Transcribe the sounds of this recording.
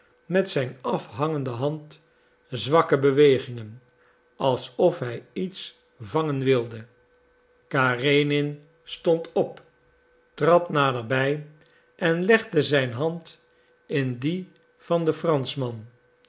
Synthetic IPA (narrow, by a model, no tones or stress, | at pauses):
mɛtsɛjnɑfɦɑŋəndəɦɑnt | zʋɑkəbəʋejχɪŋən | ɑlˠsɔfɦɛjits | vɑŋənʋɪlˠdə | kaːrejnɪn | stɔntʰɔp | trɑtnaːdərbɛj | ʔɛnlɛχdəzɛjnɦɑnt | ɪndi | v̥ɑndəfrɑnsmɑn